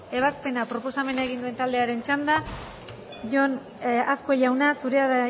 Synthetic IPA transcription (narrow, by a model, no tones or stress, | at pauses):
e̞β̞aspe̞napɾo̞po̞same̞naeɣind̪ue̞nt̪ald̪e̞aɾe̞nt͡ʃand̪a | ʝon | asko̞ʝawnasuɾe̞aða